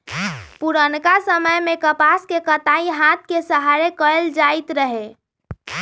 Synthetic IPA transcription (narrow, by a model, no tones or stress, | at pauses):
puɾənkasəməjmekəpaskekət̪aiɦat̪̚ʰkesəɦaɾekəeld͡ʒait̪ɾəɦe